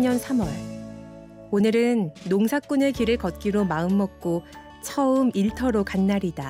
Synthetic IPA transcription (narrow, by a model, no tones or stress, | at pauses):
ɲʌnsʰamwʌɭ | onɯɾɯnːoŋsʰak͈unekiɾɯɭkʌt̚k͈iɾomaɯmːʌk̚k͈o | t͡ɕʰʌɯmiɭtʰʌɾokanːaɾida